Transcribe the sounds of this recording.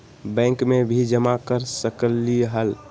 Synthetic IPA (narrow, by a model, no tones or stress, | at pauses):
bɛ̃ŋkmebʱid͡ʒəmakəɾsəkəlːiɦəl